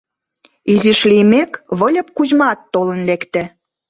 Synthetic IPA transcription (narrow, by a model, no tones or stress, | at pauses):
iziʃlimekβə̆lʲə̆p̚kuʑmɑt̪ːolənlekt̪ĕ